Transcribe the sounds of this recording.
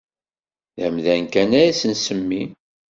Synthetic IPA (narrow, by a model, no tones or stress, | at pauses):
ðæmðænkænæɾæsənsəmːi